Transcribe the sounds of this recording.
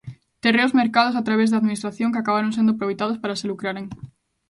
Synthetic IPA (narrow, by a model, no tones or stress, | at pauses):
t̪ereozmeɾkaðosat̪ɾaβ̞ezðaðminist̪ɾaθjõŋkeakaβaɾõŋsend̪opɾoejt̪að̞ospaɾaselukɾaɾeŋ